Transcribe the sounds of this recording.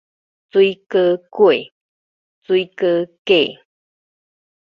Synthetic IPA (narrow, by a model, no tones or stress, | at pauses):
t͡suikəkue | t͡sujkəke